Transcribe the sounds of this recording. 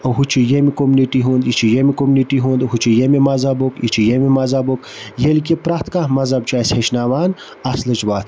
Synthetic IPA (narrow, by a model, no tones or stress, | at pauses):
oɦut͡ʃʰijemikomuniʈiɦuːnd̪it͡ʃʰijemikomuniʈiɦuːnd̪ɦut͡ʃʰijemimɐzɐbokit͡ʃʰijemimɐzɐbok | jelkepɾaht̪kamɐzɐb̚t͡ʃʰaːsʲheʃnaːʋaːn | ɐslɨt͡ʃʋaːt̪